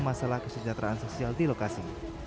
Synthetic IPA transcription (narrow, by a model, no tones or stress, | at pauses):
masalahkəsəd͡ʒat̪ɾʔaʔansosialdilokasi